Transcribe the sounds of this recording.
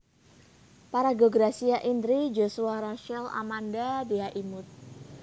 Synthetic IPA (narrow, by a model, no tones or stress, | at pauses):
paɾaɡoɡɾasiaʔind̪ɾid͡ʒosuaɾaʃɛla̰mandadeaʔimʊt̪̚